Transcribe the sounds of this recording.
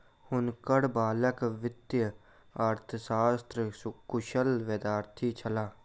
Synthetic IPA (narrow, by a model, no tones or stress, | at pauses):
hʊnkəɽbaːləkʋɪt̪jə | aːɾt̪ʰəsaːst̪ɾskʊʃəlʋed̪aːɾt̪ʰit͡ʃʰəlaː